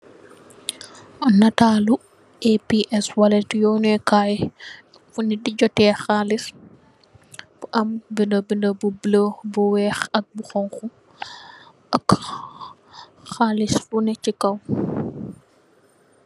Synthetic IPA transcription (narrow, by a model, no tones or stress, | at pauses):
nɐtaːlu | epiʔɛswɐlɛtjɔːnɛɛkaːj | funidiɟɔtɛːxaːlis | buʔɐmbindəbindəbubləbɔwɛːxɐk̚buxɔŋxu | ʔɐk | xaːlisfunɛcikɐw